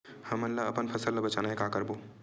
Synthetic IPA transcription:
həmənlaəpənpʰəsəlːəbət͡ʃanaɦekakəɾbo

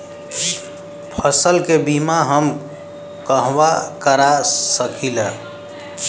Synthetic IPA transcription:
pʰəsəlkebimaɦəm | kəɦwakəɾasəkʰila

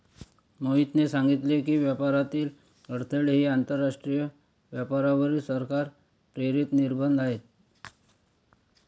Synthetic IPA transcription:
moɦit̪nesaŋɡit̪lekiːʋjəpaɾat̪iːl | əɽt̪ʰəɭɦiːant̪əɾːaʂʈɾijə | ʋjapaɾaʋəɾisəɾkaɾ | pɾeɾit̪niɾbənd̪aɦet̪̚

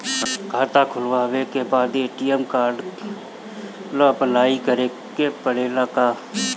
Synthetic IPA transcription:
kʰaːt̪akʰʊlʋaːwekebaːd̪eːʈijɛmkaːɾɖ | əpəlaːikəɾeː | kepəɽeːlaka

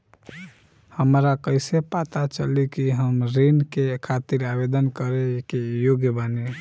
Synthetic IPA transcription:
həmɾakəɪsepat̪at͡ʃəlikiɦəmɾinkekʰat̪iɾabed̪ənkəɾekejoɡjəbane

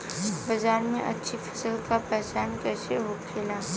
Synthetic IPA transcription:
bəzaɾmẽʔə̰tːʃʰifʰə̥səlkapɛɦt͡ʃankɛːseɦokʰela

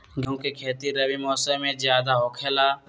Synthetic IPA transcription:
ɡjõːkekʰeːt̪iɾɐwimɔːsəmːẽzjaːd̪aɦoːkʰeːlaː

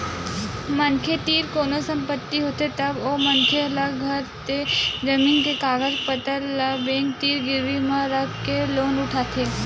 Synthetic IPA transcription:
mɐnkʰet̪iːɾkoːnosɐ̃mpət̪ːiɦoːt̪et̪ɐbomɐnkʰeɐləɡɡʱɐɾt̪ed͡ʒɐmiːnkekaːɡəd͡ʒpət̪əɾləbẽːŋk̚t̪iːɾɡɪɾʋimãɾɐkkeloːnʊʈʰaːt̪ʰeː

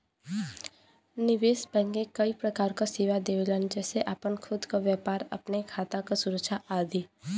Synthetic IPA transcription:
nɪʋeːsbɛ̃ːŋɡẽkɐipɾɐkaːɾkaseːʋad̪eːʋelənd͡ʒɛːseʔaːpənkʰʊd̪kaʋjɛːpaːɾɐ̰pnekʰaːt̪akasʊɾəkʃaʔaːd̪iː

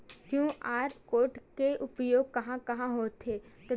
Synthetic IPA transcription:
d͡ʒũʔaːɾkoːɾʈkeʔʊpjoːɡ̚kɐɦãkɐɦãɦoːt̪ʰet̪ɐ

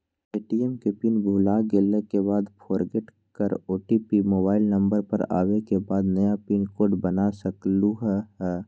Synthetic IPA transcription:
eːʈiɛmkepinbʱuːlaːɡelekebaːd̪pʰoːɾɡeʈ | kəɾoːʈipimoːbaːɪlnɐ̃mbəɾpɐ̰ɾa̰ːʋekebaːd̪nɐjapinkoːɖbənasɐkluɦɛːɦː

